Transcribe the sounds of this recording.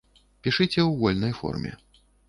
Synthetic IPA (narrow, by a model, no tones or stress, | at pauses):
pʲiʂɨt͡sʲɛwɣɔlʲnɐjfɔ̰rmʲɛ̰